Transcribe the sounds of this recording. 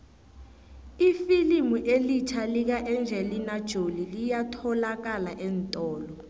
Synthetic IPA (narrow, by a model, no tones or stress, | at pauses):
ifilimuʔelit͡ʃʰalik̬aʔɛnd͡ʒʱɛlinad̥ʒ̥ʱolilijatʰɔlak̬alaʔɛntʼɔːlɔ